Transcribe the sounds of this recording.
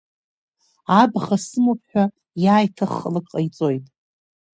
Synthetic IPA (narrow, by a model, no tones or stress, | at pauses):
abχasɨmopʰʼħʷᶣa | jaːjtʰaχːlakʼqʼajt͡sʼo̞jtʼ